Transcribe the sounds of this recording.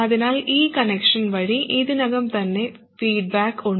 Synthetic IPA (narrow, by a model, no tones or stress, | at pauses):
ɐðinaːliːkɐnekʂɐnʋɐɻiʔiðɯnɐɣɐmt̪ɐnːe | fiːɖ̚baːkuɳ